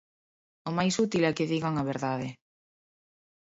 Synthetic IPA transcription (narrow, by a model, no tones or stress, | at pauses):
ʊmajsut̪ilɛkɪðiɣaŋaβ̞eɾðaðɪ